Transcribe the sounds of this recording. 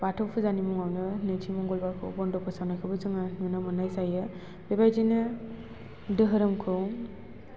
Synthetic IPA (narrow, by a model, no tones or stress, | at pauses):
batʰɔpʰɯzanimɔŋawnɯnet͡ʃʰimɔŋɡɔlbakʰɯ̰bɔndɔpʰɯsawnakʰɯbɯzɯŋamɯnɯmɯnajsajɯ | bebajd͡ʒinɯ | dɯɦɯɾɯmkʰɯ